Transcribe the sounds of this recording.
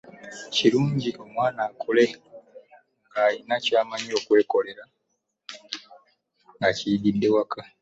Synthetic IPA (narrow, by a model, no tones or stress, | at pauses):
ciɾuːɲɟiʔo̞mwaːnaːkʰole̞ | ŋɡajinacaːmaɲo̞ːkwe̞ːko̞le̞ɾa | ŋɡacididːe̞waka